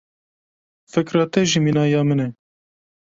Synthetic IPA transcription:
fɨkɾɑːt̪ɛʒiminɑːjɑːmɨnɛ

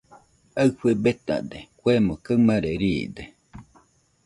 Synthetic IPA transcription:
aɨɸebet̪a̰d̪ekʷemokəmaɾeɾiːd̪e

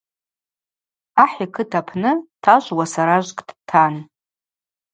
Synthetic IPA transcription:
aħikʰɨtʰapʰnɨtʰaʒʷwasaɾaʒʷkʼdtʰan

